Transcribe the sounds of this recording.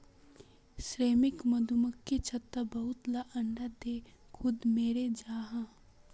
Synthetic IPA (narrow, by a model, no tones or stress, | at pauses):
sɾeːmɪkmɐd̪ʱuməkːet͡ʃʰɐt̪ːabɐɦʊt̪laʔəɳɖad̪eːkʰʊd̪meːɾed͡ʒaːɦã